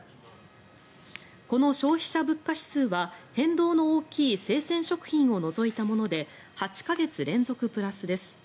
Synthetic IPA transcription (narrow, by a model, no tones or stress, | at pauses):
ko̞no̞ɕo̞ːçi̥ɕabɯ̟kːaɕi̥sɨːβahẽ̞nd̪o̞ːno̞oːkʲiːse̞ːsẽ̞ɰ̃ɕo̞kɯ̟̥çĩɰ̃o̞no̞zo̞it̪amo̞no̞d̪e̞ | hat͡ɕi̥kaɡe̞t͡sɨɾẽ̞nd͡zo̞kɯ̟pɯ̟ɾasɨd̪e̞sɨ̥